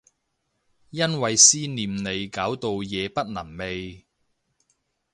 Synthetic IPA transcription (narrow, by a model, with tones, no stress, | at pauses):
jɐ˥nwɐ˨jsiː˥niː˨mne˨˧jkaː˨˥wt̪o˨˧wjɛː˨˧pɐ˥t̚nɐ˨˩mme˨j